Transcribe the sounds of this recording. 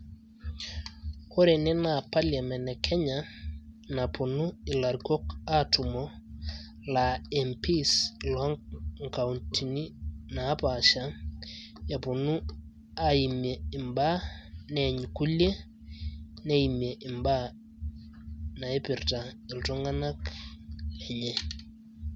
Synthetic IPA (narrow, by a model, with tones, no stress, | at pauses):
ho˦ɾe˨nɪ˦na˨pa˦lɛ˨mɛ˨nɛ˨kʰɛ˦ɲa˨na˨pʰo˨nu˦ɪ˨la˨ɾko˦ka˦tu˨mɔ˦ | la˨ɛ˨mpʰi˦slɔ˦ŋŋka˨unti˨ni˦na˨˦pa˨ʃa˦ | ja˨pʊ˨nu˦ | a˦i˨me˨ɪ˨mba˦nɛɲku˦le˦ | nɛ˦i˨mje˨ʔɪ˨mba˦ | na˨e˦pɪ˨rta˨ɪ˨ltɔ˦ŋa˦na˦k | lɛ˨ɲɛ˦